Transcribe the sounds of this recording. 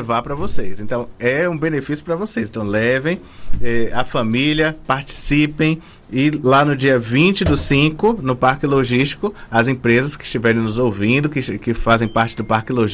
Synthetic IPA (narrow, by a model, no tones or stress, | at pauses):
vaɾpɾɐvosejsẽt̪ɐ̃w̃ɛũbẽnefisjʊpɾɐvosejsẽt̪w̃lɛvẽj̃ | ɛɐfɐ̃miliɐpaɾt͡ʃi̥sipẽj̃ | ɪlanʊd͡ʒiɐvĩt͡ʃɪd̪ʊsĩkʊnʊpaɾkɪloʒiʃt͡ʃi̥kʊɐzẽpɾezɐskɪ̥st͡ʃivɛɾẽj̃nʊzowvĩnd̪ʊkɪkɪfazẽj̃paɾt͡ʃɪd̪ʊpaɾkɪloʒ